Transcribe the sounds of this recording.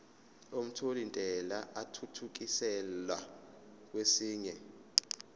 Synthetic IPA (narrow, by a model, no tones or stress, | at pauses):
om̩tʰolintʼɛlaʔatʰutʰuk̬isɛlwa̰ | k̬ʼwesiːɲɛ